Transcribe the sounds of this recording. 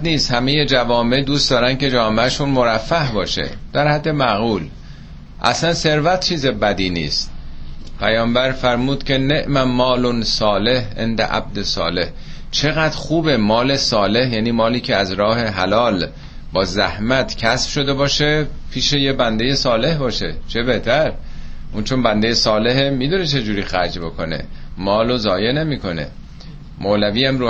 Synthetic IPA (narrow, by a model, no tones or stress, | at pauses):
niːst̪hæmeje̞d͡ʒævɒːme̞ʔd̪uːstd̪ɒːɾænd̪kʰe̞d͡ʒɒːmeæʃunmo̞ɾæfːæhbɒːʃe̞̰d̪̥æɾhæd̪ːe̞mæɣuːl | ʔæ̰slænse̞ɾvæt̪̚t͡ʃʰiːzebæd̪iːnḭːst̪̚pʰæjɒːmbæɾfæɾmuːd̪̥cʲʰe̞ne̞ʔmæmɒːlonsɒːle̞hʔḛnd̪æ̰ʔæ̰b̚d̪esɒ̰ːle̞h | t͡ʃʰe̞ɣæd̪̥ɾxuːbe̞mɒːle̞sɒːle̞hjæːniːmɒːliːcʰe̞æzɾɒːhe̞ɦælɒːl | bɒːzæhmæt̪ʰcʰæsb̥ʃo̞d̪e̞bɒːʃe | pʰiːʃejebænd̪e̞jesɒːle̞hbɒːʃe̞̰t͡ʃʰe̞beht̪ʰæɾ | uːnt͡ʃʰonbænd̪ejesɒːle̞ɦemid̪une̞t͡ʃʰe̞d͡ʒuːɾiːxæɾd͡ʒbo̞kʰo̞nḛmɒːlozɒːje̞ne̞miːko̞ne̞̰ | mʔolæviːæmɾoː